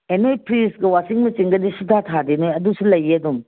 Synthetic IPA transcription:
enojpɾist̚ɡɐwasiŋmɐt͡ʃiŋɡɐdisutʰatʰadenojɐdusulɐjɐdum

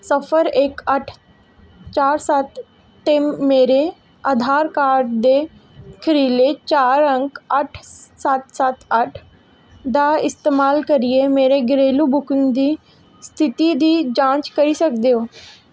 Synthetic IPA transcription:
səpʰəɾekəʈʰ | t͡ʃaːɾsət̪ː | eːmeːɾe | ad̪ʱaːɾkaːɖd̪eːkʰəɾiːlet͡ʃaːɾə̃ŋkəʈʰsət̪sət̪ʰəʈʰ | d̪aːɪst̪eːmaːlkəɾiemeːɾeɡɾeːluːbʊkənd̪iː | st̪ʰɪt̪id̪iːd͡ʒãːt͡ʃkəɾisəkd̪eoː

